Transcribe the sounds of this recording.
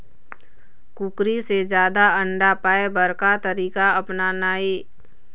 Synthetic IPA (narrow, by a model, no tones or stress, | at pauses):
kukɾised͡ʒjaːd̪aə̃ɳɖapaːebəɾkat̪əɾiːkaɐpnanaːiː